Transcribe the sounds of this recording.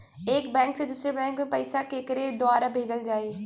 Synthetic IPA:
eːkbɛ̃ːŋksẽd̪ʊsɾeɾbɛ̃ːŋkmẽpɐɪsakeːkɪɾed̪oaːɾabʱeːd͡ʑəld͡ʑaːeː

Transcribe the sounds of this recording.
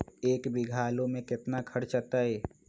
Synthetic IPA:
eːkbɪɡʱaːlõmẽkɪt̪nakʰəɽt͡ʃət̪aɦɛː

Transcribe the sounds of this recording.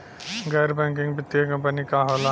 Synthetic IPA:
ɡaːɾbɛ̃ːŋkɪ̃ŋɡbɪt̪ːiekɐ̃mpənikaːɦoːla

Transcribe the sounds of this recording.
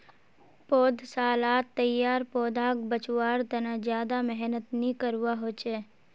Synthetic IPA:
poːd̪ʱsaːlaːt̪ːəjːaːɾpoːd̪aːk̚bət͡ʃwaːɾt̪ɐnazjaːd̪amɛɦnət̪nĩkəɾuwaɦoːt͡ʃeː

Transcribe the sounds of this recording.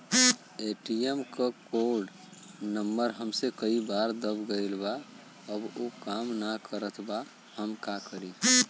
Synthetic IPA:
eʈiemkəkoɾɖ | nəmːəɾɦəmsekəibaɾd̪əbɡəjlba | əbokamnakəɾət̪ʰba | həmkakəɾi

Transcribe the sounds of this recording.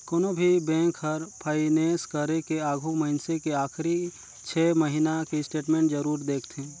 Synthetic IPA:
koːnobʱibɛ̃ːŋkɦəɾpʰəɪneːskəɾekeaːɡʱuməɦɪnsekeaːxɾi | t͡ʃʰɛːməɦinakisʈeːʈmẽːɳʈd͡ʒəɾuːɾd̪eːkʰt̪ʰẽː

